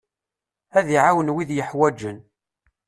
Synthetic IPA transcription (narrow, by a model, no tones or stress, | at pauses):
æðiʕawənwiðjəħwæd͡ʒːən